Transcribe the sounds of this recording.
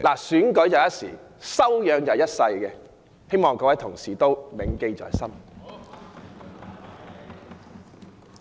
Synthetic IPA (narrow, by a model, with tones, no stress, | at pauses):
laː˨˩syː˨˥nkɵ˨˥ɥjɐ˨˧wjɐ˥t̚sḭː˨˩sɐ˥wjœː˨˧ŋjɐ˨˧wjɐ˥t̚sɐ˧jkɛː˧ | he˥jmɔː˨˩ŋkɔː˧wɐ˨˥jt̪ʰʊ˨˩ŋsiː˨˩t̪o˥wmɪ˨˥ŋke˧jt͡sɔ̰ː˨jsɐ˥m